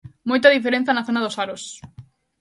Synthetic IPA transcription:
mojt̪aðifeɾẽnθjanaθonaðosaɾos

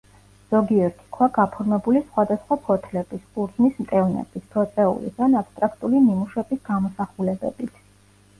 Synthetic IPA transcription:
z̥ɔɡiɛɾt̪ʰi̥kʰwaɡapʰɔɾmɛbulisχwad̪asχwapʰɔt̪ʰlɛbisʼuɾzmismt̪ʼɛvnɛ̰b̥isp̪ʰɔt̪sʼɛṵlḭsanapst̪ʼɾakʰt̪ʼulimimuʃɛbisɡamɔsaχulɛbɛ̰bit̪ʰ

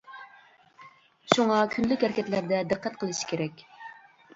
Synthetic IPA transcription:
ʃuŋɑkʲʰynlykʲɛɾkʲɛt̪læɾd̪ɛd̪ɨqːɛt̪̚qʰəlˠɨʃi̥kʲʰeɾɛkʲ

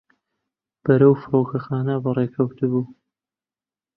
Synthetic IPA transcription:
b̥ɐɾɐwfɨɾoːkʰɐxaːnɐbɐreːkʰɐwt̪ʰɨbuː

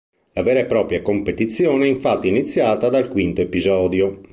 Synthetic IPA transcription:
lavɛːɾepɾɔːpɾjakompet̪it̪sːjɔːneɛiɱfat̪ːiinit̪sːjaːt̪ad̪alkwint̪oepizɔːd̪jo

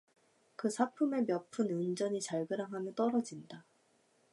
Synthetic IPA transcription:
kɯsʰapʰume̞mjʌpʰɯnɯnd͡ʑʌɲit͡ɕaɭɡɯɾaŋɦamjʌnt͈ʌɾʌd͡ʑinda

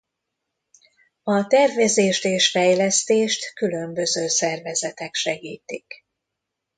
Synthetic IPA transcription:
ɒt̪ɛrvɛzeːʃt̪eːʃfɛjlɛst̪eːʃt̪kylø̞mbø̞zøːsɛrvɛzɛt̪ɛkʃɛɡiːt̪ik

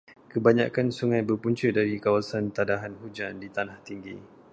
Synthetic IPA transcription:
kəbaɲãkansuŋãjbərpuɲt͡ʃədaɾikawasant̪adaɦanɦud͡ʒandit̪anaht̪iŋɡḭ

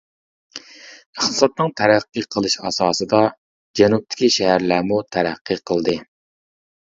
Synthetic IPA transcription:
əχt̪ʰə̥sɑt̪̚nɨŋt̪ʰæɾæqːɨqʰəlˠɨʃɑ̰sɑːsɨd̪ɑ | d͡ʒɛnup̚t̪ʰɪ̥kʲiʃɛɦæɾlæɾmut̪ʰæɾæqʰːɨqʰəlˠd̪ɨ

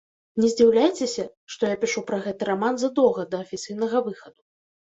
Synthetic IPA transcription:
nʲɛzʲd͡zʲiwlʲajt͡sʲesʲɐʂt̪ɔjapʲiʂupɾɐɣɛt̪ɨɾamanzɐd̪ɔɣɐd̪ɐːfʲit̪sɨjn̪ɐɣɐvɨxɐd̪u

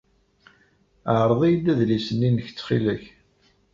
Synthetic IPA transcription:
əʕɾˤðˤijdæðlisənːinəç̥t͡sːχilæç

